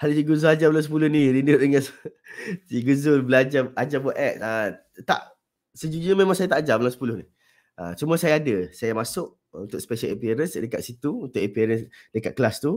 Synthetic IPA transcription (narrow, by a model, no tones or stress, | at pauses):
halisiɡuzʊlad͡ʒamlamsəpulʊhnilinʊʔdəŋans | siɡuzʊlbəlad͡ʒaad͡ʒabɔʔɛk̚ə | t̪a̰ʔ | səd͡ʒud͡ʒuɲmẽmãŋsajat̪aʔːd͡ʒamlamsə̥pulʊhni | ʔət͡ʃuməsajaːdəsajamasʊʔ̚ | ṵnt̪ʊk̚sə̥peʃələpiaɾənsdəkat̪̚sit̪uunt̪ʊʔəpiɾənsdəka̰t̪̚kəlast̪u